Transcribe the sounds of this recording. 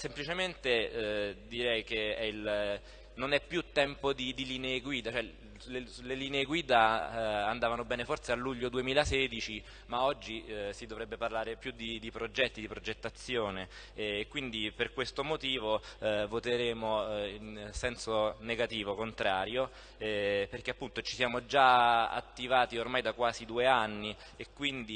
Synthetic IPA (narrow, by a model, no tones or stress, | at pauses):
semplit͡ʃement̪e | d̪iɾɛjk̟eɛil | nonɛpːjut̪ːɛmpod̪id̪iliːneːɡwiːd̪at͡ʃoɛ | leleliːneːɡwiːd̪aand̪aːvanobɛːnefort̪sealːuʎːod̪uemiːlasɛːd̪it͡ʃi | maɔd͡ʒːisid̪ovɾɛbːeparlaːɾepjud̪id̪ipɾod͡ʒɛt̪ːid̪ipɾod͡ʒet̪ːat̪sːjoːneː | kːwind̪iperkwest̪omot̪iːvovot̪eɾeːmoinsɛnsoneɡat̪iːvokont̪ɾaːɾjo | ɛperk̟eapːunt̪ot͡ʃi̥sjaːmod͡ʒaa̰t̪ːivaːt̪iormajd̪akwaːzid̪uːeanːi | ekːwind̪i